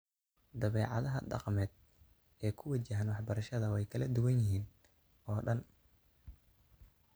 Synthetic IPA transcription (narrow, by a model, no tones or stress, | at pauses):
d̪ɐβɛːʕɑ̰ðɐɦɐɖɑ̰qmɛːd̪̚ | ɛːkʰʊwɐt͡ʃɐɦɐnwɑħbɐɾɐʃɐðɐwɛjkʰɐlɐd̪ʊwɐnjɪɦiːn | ɔːɖɐn